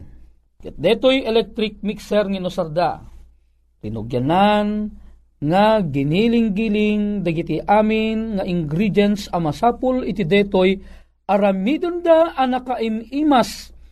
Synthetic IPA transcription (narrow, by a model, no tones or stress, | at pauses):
kɛt̪̚d̪ɛt̪ojɛlɛk̚t̪ɾɪk̚miksɛɾŋinosaɾd̪a̰ | t̪ɪnʊɡjanan | ŋaɡɪnilɪŋɡilɪŋd̪ɐɡit̪iʔaːmɪnŋaʔɪŋɡɾid̪jɛnsɐmɐsaːpʊlɪt̪ɪd̪ɛt̪oj | ʔɐɾamid̪ond̪aʔɐnɐkaʔɪmiːmas